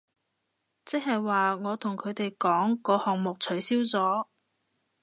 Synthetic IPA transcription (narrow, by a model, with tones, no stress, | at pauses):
t͡sɛ˥k̚hɐ˨jwaː˨ŋɔː˨˧t̪ʰʊ˨˩ŋkʰɵ˨˧t̪e˨jkɔː˨˥ŋkɔː˨˧hɔː˨ŋmʊ˨k̚t͡ʃʰɵ˨˥ɥsiː˥wt͡sɔː˨˥